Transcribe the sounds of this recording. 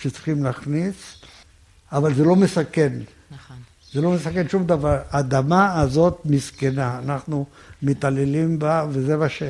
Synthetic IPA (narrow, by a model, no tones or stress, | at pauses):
ʃet͡si̥χimlaχnis | avalzelo̞mesake̞n | zelo̞mesake̞nʃumd̪avaʁad̪amaːzo̞t̪miskenaːnaχnu | met̪alelimbavezemaʃe